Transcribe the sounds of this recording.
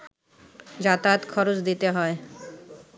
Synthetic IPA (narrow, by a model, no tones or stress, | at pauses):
d͡ʑat̪at̪kʰɔɾot͡ɕd̪it̪eɦɔe